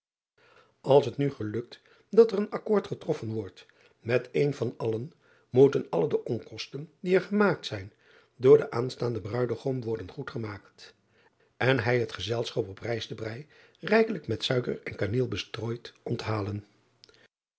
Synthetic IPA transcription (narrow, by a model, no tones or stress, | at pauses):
ɑlˠsɦətnyχəlɵk̚t | dɑtərənɑkʊːɹtχətrɔfənʋɔɹt | mɛtejnvɑnɑlən | mutənɑlədəʔɔŋkɔstəndiɛɹχəmaːk̚tsɛjn | dʊːɹdəʔaːnstaːndəbrœɥdəχɔmʋɔɹdənχutχəmaːkt | ʔɛnɦɛjɦətχəzɛlˠsχɑpɔprɛjsdəbrɛj | rɛjkələkmɛtsœɥkə̰rɛnkaneːlˠbəstroːjtʔɔntɦaːlən